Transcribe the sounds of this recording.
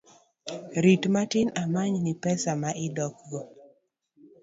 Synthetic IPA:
ɾitmatɪnamaɲnɪpɛsamaʔɪdɔk̚ɡɔ

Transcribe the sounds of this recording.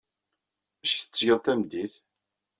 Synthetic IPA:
æʃθə̥t͡sːʝəðˤθæmd̪iθ

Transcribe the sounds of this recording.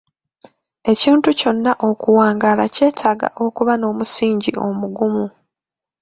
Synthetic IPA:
e̞ciːntuco̞nːaʔo̞kuwaːŋɡaːlace̞ːtʰaːɡa̰ʔo̞kuβano̞ːmusiːɲɟḭʔo̞̰muɡumu

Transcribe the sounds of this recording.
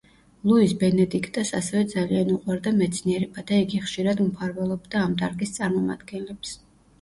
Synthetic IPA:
lˠuisbɛnɛd̪ikʰt̪ʼasasɛvɛd̪zalianuqʼwaɾd̪amɛt̪sʰniɛɾɛbad̪aiɡiχʃiɾad̪mpʰaɾvɛlˠɔb̚d̪aːmt̪ʼaɾkʼist̪sʼaɾmɔma̰d̪̥ɡɛnlɛps

